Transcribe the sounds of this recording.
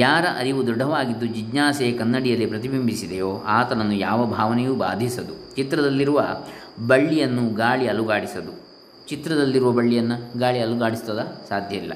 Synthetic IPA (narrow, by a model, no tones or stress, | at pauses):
jaːɾɐʔɐɾiʋud̪ɔɖʱːɐʋaːɡid̪ːud͡ʒid͡ʒnaːsekɐnːɐɽijɐlːipɾɐt̪̬ibimbʱisid̪ejoːʔaːt̪ɐnɐnːujaːʋɐbʱaːʋɐnɛjuːba̰ːd̪ʱisɐd̪ut͡ʃit̪ɾɐd̪ɐlːiɾuʋɐ | bɐɭːijɐnːuɡaːɭiɐluɡaːɽisɐd̪u | t͡ʃit̪ɾɐd̪ɐlːiɾuʋɐbɐɭːijɐnːɐɡaːɭiɐluɡaːɽist̪ɐd̪ɐsaːd̪ʱjɐilːɐ̰